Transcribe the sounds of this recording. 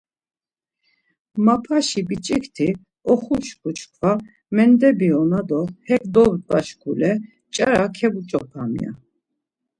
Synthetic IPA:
mapʰaʃibit͡ʃʼikʰt̪ʰi | ɔχuʃkʰut͡ʃʰkʰva | mɛnd̪ɛbiɔnad̪ɔhɛkʼd̪ɔbpʼaʃkʰulɛ | t͡ʃʼaɾakʰɛbut͡ʃʼɔpʰamḭja̰

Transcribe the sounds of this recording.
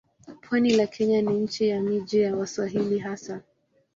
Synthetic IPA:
pʰwanilakʰɛɲaniɲ̩t͡ʃɛjamid͡ʒijawaswaɦiliɦasa

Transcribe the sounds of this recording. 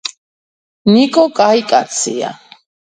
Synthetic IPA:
nikʼokʼajkʼat͡sʰḭa̰

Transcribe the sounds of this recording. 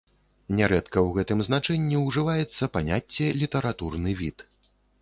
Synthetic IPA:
nʲɛɾɛt̪kɐwɣɛt̪ɨmznat͡ʂɛnʲːiwʐɨvajɛt̪sːɐpanʲat͡sʲːɛlʲit̪ɐɾat̪urnɨvʲit̪

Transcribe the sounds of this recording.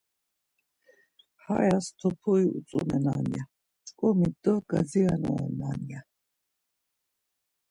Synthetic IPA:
ha̰jast̪ʰɔpʰɔiut͡sʼunɛnaːnija | t͡ʃʼkʼɔmid̪ɔɡ̥azianɔɔnaːnija

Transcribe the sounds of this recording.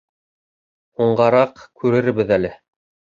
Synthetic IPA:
uɴɢɑɾɑqkʰʉɾɘ̆ɾbɘðælɘ

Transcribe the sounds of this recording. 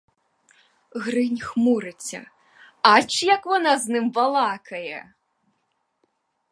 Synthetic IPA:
ɣɾɨnʲxmuɾɨt͡sʲɐ̰ | at͡ʃjɐkvɔnaznɨmvalˠakʰɐjɛ

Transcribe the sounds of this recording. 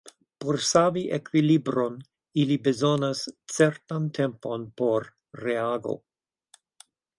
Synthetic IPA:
poɾsaviʔekwilibɾon | ilibezonast͡seɾt̪antʰempo̞npoɾː | eaɡo̰

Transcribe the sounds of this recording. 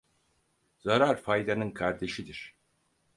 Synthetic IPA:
zaɾaɾfajd̪anɯnkʰaɾd̪e̞ʃid̪iɾ̥

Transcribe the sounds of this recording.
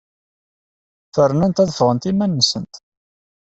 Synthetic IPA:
fərːnænt̪æðəfʁənt̪imænːəsənt̪

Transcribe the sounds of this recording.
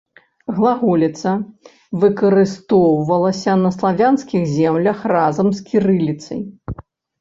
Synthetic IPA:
ɣlˠaɣulʲit̪sɐ | vɨkɐɾɨst̪ɔwvɐlˠɐsʲɐnɐslˠavʲanskʲiɣzʲɛmlʲɐxrazɐmskʲiɾɨlʲit̪sɐ̰j

